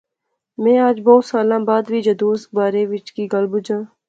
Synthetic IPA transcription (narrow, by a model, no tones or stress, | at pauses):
mɛ̃ːaːd͡ʒbɔːt̪saːlãːbaːd̪biːd͡ʒɐd̪oːs̚baːɾeːʋɪt͡ʃkiːɡəlbʊd͡ʒãː